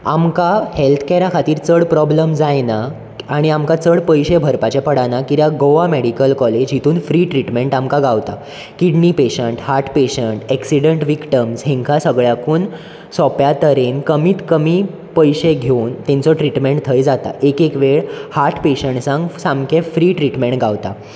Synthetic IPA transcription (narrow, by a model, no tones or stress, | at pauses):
a̰mkahelt̪ʰkɛɾjakʰat̪iːɾt͡səɽpɾɔbləmd͡zajna | aɽ̃iamkat͡səɽpəjɕebʱəɾpat͡ɕapəɽanakit̪jaɡoʋameɽikəlkɔled͡ʑɦit̪uːnfɾiːʈɾiʈmeɳʈamkaɡaʋt̪a̰ | kiɽnipeɕəɳʈhaɾʈʰpeɕəɳʈɛksiɽəɳʈʋikʈəmsɦẽŋkʰasəɡɭjakuːn | sɔpjat̪əɾenkəmiːt̪kəmiː | pəjɕeɡʱent̪ɛ̃nt͡sɔʈɾiʈmẽɳʈt̪ʰəjd͡zat̪a̰ʔekekʋeɭhaɾʈʰpeɕəɳsãŋɡsamkʰefɾiːʈɾiʈmeɳʈɡaʋt̪a̰